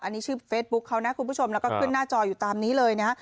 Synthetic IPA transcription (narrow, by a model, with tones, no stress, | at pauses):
ʔa˧nːiː˦˥t͡ɕʰɯː˥˩feː˦˥t̪̚bu˦˥kʰːa˦˥wna˦˥ʔkʰu˧nmpuː˥˩t͡ɕʰo˧mlɛː˦˥wkɔː˥˩kʰɯ˥˩naː˥˩t͡ɕɔː˧juː˨˩t̪aː˧mniː˦˥lɤː˧jna˦˥